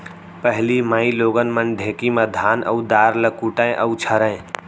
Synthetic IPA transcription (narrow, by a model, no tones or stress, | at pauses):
pəɦlimaĩloːɡənmənɖ̪ʱẽkiməd̪ʱaːnə̰ud̪aːɾləkuʈə̃ẽʔəut͡ʃʰəɾə̃e